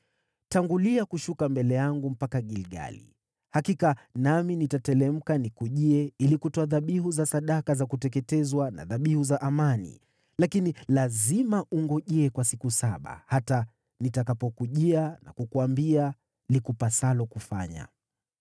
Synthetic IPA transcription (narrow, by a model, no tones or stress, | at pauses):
taŋɡuliakuʃukambɛlɛjaŋɡum̩pakaɠilɠa̰lḭ | hakikanaminitatɛlɛm̩kanikuʄiɛilikutɔaðaɓiɦuzasaɗakazakutɛk̬ɛtɛzwana̰ðaɓihuzaʔamanḭ | lakinilazimaʔuŋɡɔʄɛɛkwasikusaɓa̰hata | nitakapɔkuʄiana̰kukuambia | likupasalɔkufa̰ɲa̰